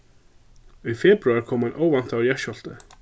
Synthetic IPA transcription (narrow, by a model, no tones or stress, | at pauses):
ʏfɛːpɾʉaɹkʰɔmhanʔoːwvan̥t̪awɾjɛʃɔl̥t̪ə